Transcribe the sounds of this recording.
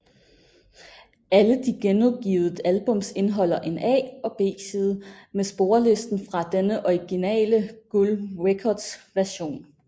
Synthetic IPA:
æləd̥iɡ̥enɒb̥̚ɡ̥ḭːʊð̩ˠədælb̥ɔ̽m̰se̝nɦɒ̽l̰ɐʔe̝nɛ̰ːɒ̽b̥e̝̰ːsiðˠmesb̥o̝ɐle̝sd̥n̩fʁɑ̈d̥enəʔɒɪɡ̥inɛ̰ːləɡ̥ulʁekʰɒd̥sʋæɐɕo̝̰ːn

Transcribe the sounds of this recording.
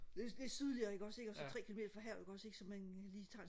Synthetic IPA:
d̥ed̥e̝sið̞ˠliɐeɡ̥ɒ̽se̝ɡ̥ɒ̽sɒ̽t͡sʰʁɛ̰ːkʰilo̝mḛːd̥ɐfɒɦæɐ̰ʊe̝ɡ̥ɒ̽se̝ɡ̥sɒ̽mænliːt͡sʰɑ̈n

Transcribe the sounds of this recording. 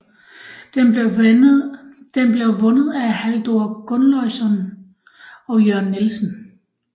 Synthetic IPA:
d̥enb̥le̝ʊʋɔ̽nəð̞̩ˠæhæld̥o̝ɐɡ̥ɔ̽nlɒɪ̰sɒn | ɒ̽jøɐ̰nːelsn̩

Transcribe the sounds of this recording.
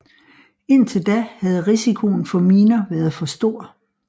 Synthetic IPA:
e̝n̰t͡sʰe̝ld̥æhæð̞̩ˠʁisikʰo̝n̩fɒ̽miːnɐʋæːɐð̩ˠfɒ̽sd̥o̝ɐ̰

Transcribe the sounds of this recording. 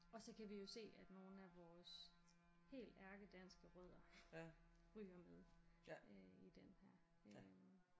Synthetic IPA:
ɒ̽sɒ̽kʰæʋijo̝se̝̰ːæd̥no̝ːn̩æʋɒːs | he̝̰ːld̥æɐɡ̥əd̥ænsɡ̥əʁœð̞̰ˠɐ | ʁyːɐmeðˠ | id̥enhæɐ̰ | ø

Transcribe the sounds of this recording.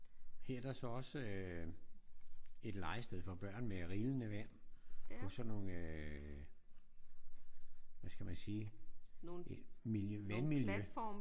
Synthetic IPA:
heɐd̥æsɒ̽ɒ̽sə | e̝d̥lɑ̈ɪsd̥eðˠfɒ̽b̥ɶɐ̰nmeʁiːlənəʋæn̰ʰɒ̽sɒ̽non | ʋæsɡ̥æmænsiː | miljøʋænmiljø

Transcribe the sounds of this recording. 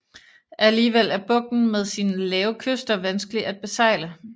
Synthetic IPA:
ʔæliːʋel̰æɐb̥ɔ̽ɡ̥̚n̩með̞ˠsiːnəlɛːʊkʰøsd̥ɐʋænsɡ̥əliʔæd̥̚b̥e̝sɑ̈ɪ̰lə

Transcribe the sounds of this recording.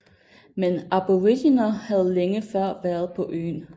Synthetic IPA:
menæb̥oʁidinɐhæð̞ˠleŋəfɶɐ̰ʋæːɐð̩ˠpʰɒ̽ʔø̰ːn

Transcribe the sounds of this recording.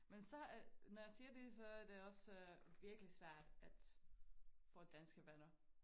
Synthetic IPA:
mensɒ̽ænɒjɑ̈siːɐd̥e̝sɒ̽æɐd̥e̝ɒ̽sʋiɐɡ̥əlisʋæɐ̰d̥æd̥ | fɔ̰̽ːd̥ænsɡ̥əʋænɐ

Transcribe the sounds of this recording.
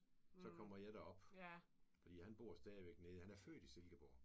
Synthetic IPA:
sɒ̽kʰɒm̰ɐjɑ̈ɪɾɑɒ̽b̥ | fɒd̥ḭːhænb̥o̝̰ɐ̰sd̥ɛːðˠiʋeɡ̥neð̩ˠhænæɐfø̰ːd̥ise̝lɡ̥əb̥o̰ː

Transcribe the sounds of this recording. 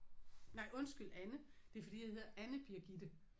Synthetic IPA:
nɑ̈ɪ̰ʔɔ̽nsɡ̥ylænəd̥e̝ɐfɒ̽d̥ḭːjɑhe̝ð̰ˠɐʔænəb̥iɐɡ̥id̥ə

